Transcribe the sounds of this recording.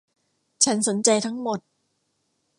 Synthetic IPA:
t͡ɕʰa˦˥nso˩˦nt͡ɕa˧jt̪ʰa˦˥ŋmo˨˩t̪̚

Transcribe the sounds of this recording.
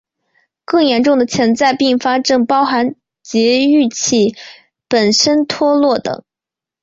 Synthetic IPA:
kɤ˥˩ŋjɛ˧˥nʈ͡ʂʊ˥˩ŋd̪ə˩t͡ɕʰjɛ˧˥nt͡sa˥˧ɪpi˥˩ŋfa˥ʈ͡ʂɤ˥˩ŋpɑ˥ʊxa˧˥n | t͡ɕjɛ˧˥y˥˧t͡ɕʰi˥˩ | pə˨˩nʂə˥nt̪ʰwɔ˥lwɔ˥˩t̪ɤ̰˨˩˦ŋ

